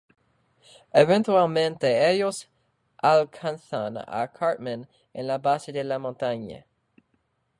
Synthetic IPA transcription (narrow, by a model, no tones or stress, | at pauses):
evɛ̃nt̪ɥɛlmɛ̃nt̪eɛjos | ʔalkʰãnsana̰kʰaɹt̪̚mə̃n | ɛ̃labasd̪əlamɔ̃t̪aɲ̰